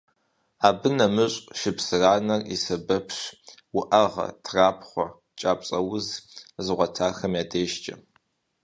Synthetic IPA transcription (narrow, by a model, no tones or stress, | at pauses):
aːbɨnɐmɨɕʼʃɪpsɨraːnɐrḭsɐbɐpʰɕ | wʊʔɐʁɐ̰tʰraːpχʷɔ | t͡ʃʼaːpʼɕʼɐwʊzzɨʁʷɔtʰaːxɐmjaːdʰeːʃt͡ʃʼɐ̰